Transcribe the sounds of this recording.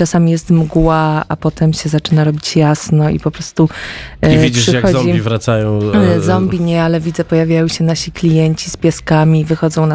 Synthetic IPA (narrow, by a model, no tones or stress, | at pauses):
t͡ʂasamʲijɛst̪mɡwaapɔt̪ɛmɕɛzat͡ʂɘnaɾɔbʲit͡ɕjasnɔḭpɔpɾɔst̪u | vid͡ʑpiʂɘjaɡxɔɔd͡ʑmiivɾat̪sajɔ̃w̃zɔmbʲiɲɛalɛvʲid̪zɛpɔjavʲjajɔ̃wɕɛnaɕiklʲijɛɲt͡ɕispʲjɛskamʲivɘxɔd̪zɔ̃w̃na